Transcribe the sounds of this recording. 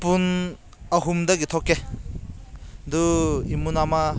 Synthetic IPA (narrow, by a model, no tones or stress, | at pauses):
pun | aɦumdɐɡitʰɔkːe | duimunama